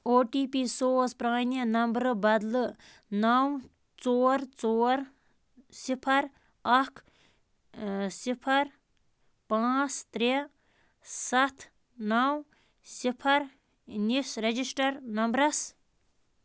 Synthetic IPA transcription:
oʈipisoːspɾãːjnienɐmbɾɨbɐd̪lɨ | naw | t͡soːɾt͡soɾ | sipʰɐɾ | ɐkʰ | sipʰɐɾ | pãst̪ɾe | sɐt̪ʰ | naw | sipʰɐɾ | nisɾed͡ʒisʈɐɾnɐmbɾɐs

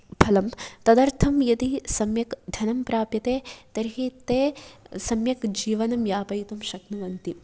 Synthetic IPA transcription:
pʰɐlɐmt̪ɐd̪ɐɾt̪ʰɐmjɐt̪isɐmjɐkɖ̪ʱɐnɐmpɾaːpjɐt̪eːt̪ɐɾɦit̪eːsɐmjɐkd͡ʒiːʋɐnɐmjaːpɐjt̪umʃɐknuʋɐnt̪i

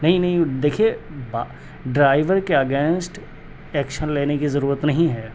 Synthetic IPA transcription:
nɐɦĩnɐɦĩd̪eːkʰieba | ɖɾaːɪʋəɾkeɐɡẽːnsʈ | ɛːkʃənleːnekizɐɾuːɾət̪nɐɦĩɦɛː

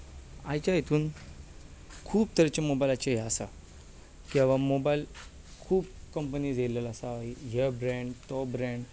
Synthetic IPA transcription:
a̰jt͡ɕajet̪ʰuːn | kʰuːbt̪əɾt͡ɕemobajlat͡ɕeɦɛasa̰ | kɛ̃ʋamobajl | kʰuːb̚kəmpənid͡zeləlasaaiɦebɾɛ̃ɳɖtɔbɾɛ̃ɳɖ

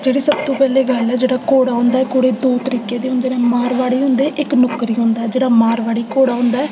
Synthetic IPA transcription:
d͡ʒeːɽeːsəb̚t̪õːpɛːleːɡəlɛːd͡ʒeːɽaːkoːɽaːɦʊ̃ːnd̪aːɛːkoːɽeːd̪oːt̪əɾiːkeːd̪eːʊ̃ːnd̪eːnẽːmaːɾʋaːɽiːʊ̃nd̪eːʔɪknʊkɾiːɦõːnd̪aːɛːd͡ʒeːɽaːmaːɾʋaːɽiːkoːɽaːɦʊ̃ːnd̪aːɛː

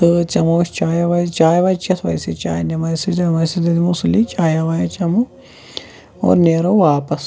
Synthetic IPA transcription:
ɨt͡ʃɐmust͡ʃaːjɐʋɐjt͡ʃaːjɐʋɐjt͡ʃɐt̪ʰʋɐ̰jsit͡ʃaːjnɐmɐjsit̪ɐmɐjsid̪ɐd̪imusulːit͡ʃaːjɐʋajɐt͡ʃɐmu | o̰ːɾneːɾoːʋaːpɐs

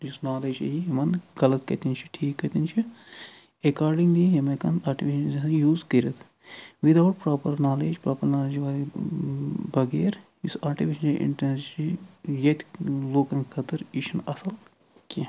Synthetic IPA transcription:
jusnaːleːd͡ʒɐjiɦimɐnɡɐlɐt̪kɐt̪int͡ʃʰi̥ʈʰiːkːɐt̪int͡ʃʰi | ekaːɾɖiŋɡliɦemɐkɐnaːʈiʋiʃɐnejuːzkɐɾɐt̪ʰ | ʋid̪awʈpɾaːpɐɾnaːleːd͡ʒpɾaːpɐɾnaːleːd͡ʒʋaːli | bɐɡeːɾjisaːʈiʋiʃɐnɐʔḭɳʈenst͡ʃijɐt̪loːkɐnkʰɐt̪ɨɾiʃʰɐnɐsɐl | ki

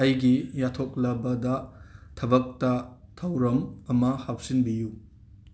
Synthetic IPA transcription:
ɐjɡijatʰok̚lɐbɐdɐtʰɐbɐk̚tɐtʰɐwɾɐmɐmɐhap̚sinbiju

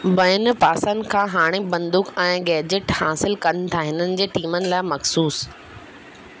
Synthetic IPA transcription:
bɐɪnɪ̆paːsənɪ̆kʰãːɦaːɽ̃ebɐ̃nd̪ʊkɛ̃ːɡɛːd͡ʑɪʈhaːsɪlkɐnɪt̪ʰaɦɪnənɪ̆d͡ʑeːʈiːmənɪ̆laːɪmɐxsuːs

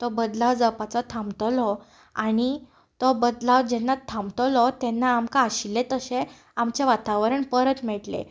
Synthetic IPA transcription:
t̪ɔbəd̪laʋd͡zəpat͡sɔt̪ʰãmt̪lɔ | aɽ̃i | t̪ɔbəd̪laʋd͡ʑɛnːat̪ʰːãmt̪ɔlɔt̪ɛnːaːmkaːɕilːet̪əɕẽ | amt͡ɕeʋat̪aʋəɾəɳpəɾət̪mɛʈlḛ

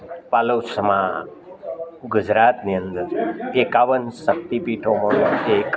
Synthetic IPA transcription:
palosəma | ɡʊd͡ʒɾat̪niənd̪əɾekaʋənsək̚t̪ipiʈʰoməek

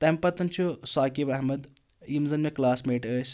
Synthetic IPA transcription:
t̪ɐmpɐt̪ɐnt͡ʃʰusaːkibɐɦmɐd̪ | jimzɐnmeklaːsmeːʈəːsʲ

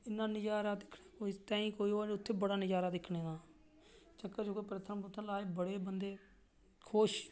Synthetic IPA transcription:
ɪnːãːnɪd͡ʒaːɾaːd̪ɪkʰɽeːkoːit̪ãːĩːkoːiːɦoːeʊt̪ʰːeːbəɽaːnɪd͡ʒaːɾaːd̪ɪkʰɳẽːd̪aː | t͡ʃəkːəɾd͡ʒoːkoiːpɾət̪ʰənpʊt̪ʰːəlaːeːbəɽeːbənd̪eː | kʰoːʃ

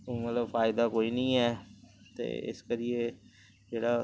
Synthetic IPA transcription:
mət̪ləbfʰaːɪd̪aːkoːiːnəĩːɛːt̪ḛːɪ̰skəɾɪeː | d͡ʒeːɽaː

